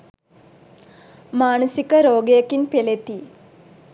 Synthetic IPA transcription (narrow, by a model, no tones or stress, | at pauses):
maːɳɐsikːɐɾoːɡejɐkːinpelet̪ːi